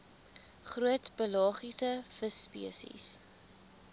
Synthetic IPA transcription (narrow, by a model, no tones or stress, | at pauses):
χruətbəlɑːχisəfəspḭəsḭs